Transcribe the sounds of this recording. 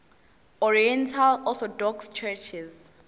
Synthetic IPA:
ɔɹiɛ̃ntʰalɔθɔdɔkst͡ʃʰɛt͡ʃʰiz

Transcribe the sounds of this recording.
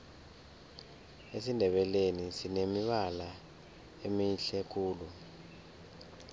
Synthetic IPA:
esindʱɛɓɛlenisinemiɓala | emiɬɛk̬ʼʰuːlu

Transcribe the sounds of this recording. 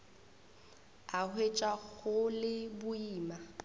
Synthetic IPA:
ahwet͡ʃʼwaɣʊlɪbʊiːma

